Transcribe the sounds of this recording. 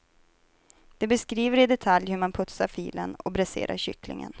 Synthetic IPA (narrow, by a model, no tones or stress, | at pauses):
d̪̥ɛbɛskɾiːvəɾɪd̪ɛt̪ʰaljhɵɾmanpʰɵt̪saɾfiːlənɔbɾɛsḛːɾʔa̰ɾɕʏklɪ̰ŋə̰n